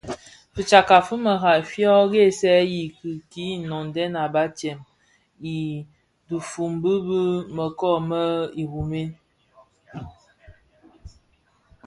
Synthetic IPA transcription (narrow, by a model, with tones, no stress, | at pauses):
fi˨t͡ʃa˨ka˨fə˦mə˨ɣa˨fjɔ˦ɡe˦˨sɛ˦ji˨kɨ˨ki˨˦nɔ˨n˨dɛ˦na˨ba˦t͡ʃɛ˨m | i˨ | du˨fu˨mbɨ˦bə˦mə˨kɔ˦˨mə˦i˨hu˨me˦n